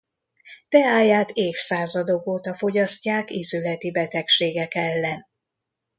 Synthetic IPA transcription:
t̪ɛaːjːaːt̪eːfsaːzɒd̪okoːt̪ɒfo̞ɟɒscːaːkizylɛt̪ibɛt̪ɛkʃeːɡɛkɛlːɛn

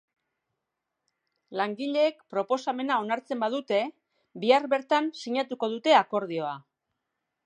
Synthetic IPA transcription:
laŋɡiʎe̞ːkpɾo̞po̞same̞nao̞naɾt͡se̞mbaðut̪e̞ | biaɾβe̞ɾt̪ansiɲat̪uko̞ðut̪e̞ako̞ɾð̞io̞a

